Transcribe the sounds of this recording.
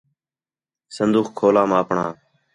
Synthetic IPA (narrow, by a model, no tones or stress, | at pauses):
sənd̪uːxkʰoːlãːmãːpɳa̰ː